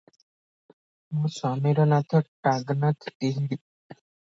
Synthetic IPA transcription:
mũsɔmeɾɔnat̪ʰɔʈaɡnat̪ʰt̪iɦi

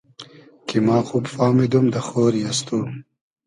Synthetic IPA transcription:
kimɑːxuːbfɑːmid̪umd̪ɐxoːɾjast̪um

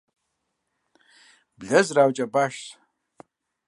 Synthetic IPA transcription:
bɮazrawt͡ʃʼabaʃs

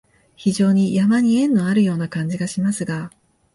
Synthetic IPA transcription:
çiʑo̞ːɲ̟ijamaɲ̟iẽ̞nːo̞aɾɯ̟jo̞ːnakãɲ̟d͡ʑiɡaɕimasɨɡa

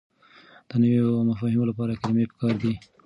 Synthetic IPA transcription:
d̪̥ənəweomafɑhɪmolapɑɾakaɾmepə̥kɑɾd̪i

